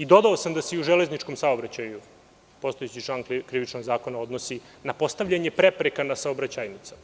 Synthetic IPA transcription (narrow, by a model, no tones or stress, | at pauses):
id̪o̞d̪ao̞samd̪aseiuʒele̞znit͡ʃko̞msaobɾat͡ɕaju | po̞st̪oet͡ɕit͡ʃlˠaːnkɾiʋit͡ʃno̞ɡzaːko̞nao̞d̪nosi | napo̞st̪aʋʎaɲe̞pɾe̞pɾekanasaobɾat͡ɕajnit̪sa